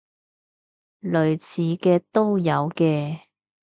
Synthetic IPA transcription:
lɵ˨˧ɥt͡sʰiː˨˧kɛː˧t̪o˥wjɐ˨˧wkɛː˧

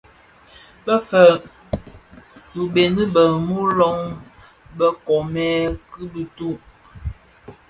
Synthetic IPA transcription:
bə˦fə˨ʔ | bu˨be˨ni˦bə˨mu˦lɔ˦ŋ | bə˦kɔ˨mɛ˦kɨ˦bi˦tu˦ʔ

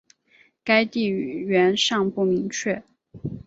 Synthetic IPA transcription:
ka˥ɪt̪i˥˩˨ɥɛ˧˥nʂɑ˥˧ŋpu˥˩mi˧˥ŋt͡ɕʰɥɛ˥˩

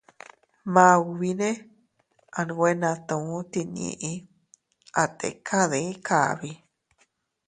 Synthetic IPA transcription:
mã˧u˧βi˧nẽ˦ | a˧nũ˧wʷe˦nã˧t̪õ˨u˦t̪i˧nḭ̃˧ʔĩ˧ | a˧t̪ḛ˨˧kʰa˦ðẽ˧i˦kʰa˧˨βi˧

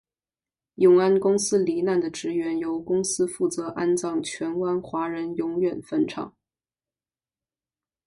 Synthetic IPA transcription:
jʊ˨˥˩ŋa˥nkʊ˥ŋsɹ̩˥li˧˥na˥˩nd̪ə˩ʈ͡ʂɻ̩˧˥ɥɛ˧˥njo˧˥ʊkʊ˥ŋsɹ̩˥fu˥˩t͡sɤ˧˥ʔa˥nt͡sɑ˥˩ŋt͡ɕʰɥɛ˧˥nkwa˥nxwa˧˥ɻə˧˥njʊ˧˥ŋɥɛ˨˩nfə˥nʈ͡ʂʰɑ̰˨˩˥ŋ

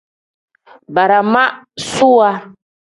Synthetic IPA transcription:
ba˨ɾa˨ma˦su˦a˦

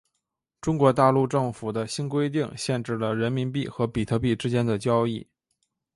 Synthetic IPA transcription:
ʈ͡ʂʊ˥ŋkwɔ˧˥t̪a˥˧lu˥˧ʈ͡ʂɤ˥˩ŋfu˨˩d̪ə˦ɕi˥nkwe˥ɪt̪i˥˩ŋɕjɛ˥˧nʈ͡ʂɻ̩˥˩lə˩ɻə˧˥nmi˧˥npi˥˩xɤ˧˥pi˨˩t̪ʰɤ˧˥p̬i˥˩ʈ͡ʂɻ̩˥t͡ɕjɛ˥nd̪ə˨t͡ɕjɑ˥ʊi˥˩

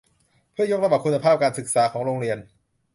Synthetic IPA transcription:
pʰɯ˥˩ɐjo˦˥k̚ɾa˧ba˨˩kʰu˧nːa˧pʰaː˥˩p̚kaː˧nsɯ˨˩k̚saː˩˦kʰɔː˩˦ŋɾoː˧ŋɾi˧ən

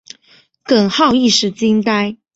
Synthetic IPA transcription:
kə˨˩nxɑ˥˧ʊi˥˧ʂɻ̩˥˩t͡ɕi˥ŋt̪a˥ɪ

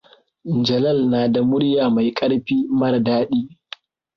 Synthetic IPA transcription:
nd͡ʒɐ˨lɐ˦˨lnaː˨da˨mʊ˦ɽjaː˨ma˨jkʼɐ˦ɽɸiː˦mɐ˦rdaː˦ɗiː˦

